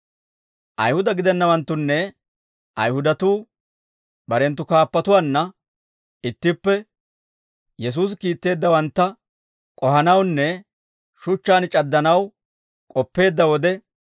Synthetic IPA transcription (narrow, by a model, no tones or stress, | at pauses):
ʔɐ̰jhʊd̪ɐɡɪd̪ɛnːɐwɐnt̪ːʊnːɛ | ʔɐ̰jhʊd̪ɐt̪uː | bɐɾɛnt̪ːʊkaːpːɐt̪ʊwaːnːɐ | ɪt̪ːɪpːɛ | jɛs̬uːs̬kiːt̪ːe̞ːd̪ːɐwɐnt̪ːɐ | kʼɔɦɐnɐwnːɛ | ʃʊt͡ʃːaːnt͡ʃʼɐd̪ːɐnɐw | kʼɔpːe̞ːd̪ːɐwɔd̪ɛ